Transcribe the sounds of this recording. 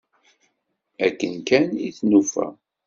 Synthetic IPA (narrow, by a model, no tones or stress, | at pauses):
ækːənkæniθnufæ̰